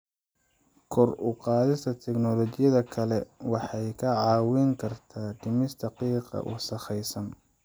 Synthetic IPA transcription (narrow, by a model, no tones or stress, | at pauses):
kʰɔrʊqɑːðɪst̪ʰɐt̪ʰɛknɔlɔt͡ʃɪjɐðɐkʰɐlɛwɑħɑjkʰɐʕɑːwɪŋkʰɐrt̪ʰaːɖɪmɪsd̪ʰɐqiːqɑ̰ʔʊ̰sɐχɛjsɐn